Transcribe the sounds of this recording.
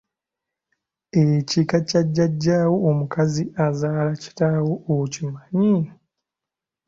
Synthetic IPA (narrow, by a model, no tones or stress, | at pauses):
ecikacaɟːaɟːaːwo̞ːmukaziazaːlaci̥tawoʔocimaɲi